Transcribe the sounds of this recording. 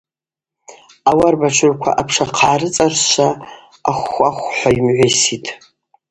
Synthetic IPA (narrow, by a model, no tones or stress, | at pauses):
awarbaʈ͡ʂʷʰʊrkʷʰa̰ʔapʰʂaqʰaːrɨt͡sʼarʃʷa | aχʷaχʷħʷajmʕʷesitʼʰ